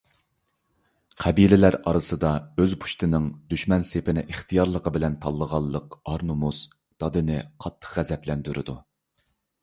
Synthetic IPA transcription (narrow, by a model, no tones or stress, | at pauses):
qʰæbilɪlæɾɑɾɨsɨd̪ɑøzpʰu̥ʃt̪ʰɨnɨŋd̪̥yʃmɛnsepɪnɪʔiχt̪ʰijɑɾlˠəqʰəbɪlɛnt̪ʰɑlˠːəʁɑlˠːəqɑɾnumus | d̪̥ɑd̪ɨnɨqʰɑt̪ʰːə̥χʁæzɛplɛnd̪yɾɪd̪u